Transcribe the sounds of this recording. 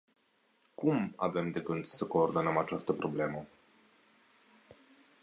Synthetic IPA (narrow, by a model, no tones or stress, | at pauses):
kumave̞md̪eɡɨnd̪səko̞ːrd̪o̞nəmat͡ʃast̪əpɾo̞ble̞mə